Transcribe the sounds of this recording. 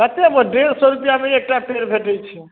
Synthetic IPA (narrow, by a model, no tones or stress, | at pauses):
kət̪emə̃ɖeɾsɔɾupijamẽek̚ʈapeɾbʱeʈɛjt͡ʃʰi